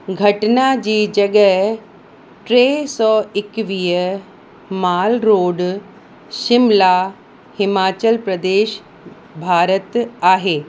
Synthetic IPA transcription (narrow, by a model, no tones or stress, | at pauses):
ɡʱɐʈnad͡ʑiːd͡ʑɐɡəɦ | ʈɾesɔːɪkʋiːə | maːlɾoːɖ | ʃɪmla | hɪmaːt͡ɕəlpɾɐd̪eːʃ | bʱaːɾət̪aːɦeː